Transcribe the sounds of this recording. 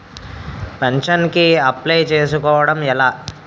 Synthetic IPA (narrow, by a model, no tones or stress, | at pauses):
pɛɲʂɐnkiɐplejt͡ʃeːs̬ukɔːʋɐɽɐmɛlaː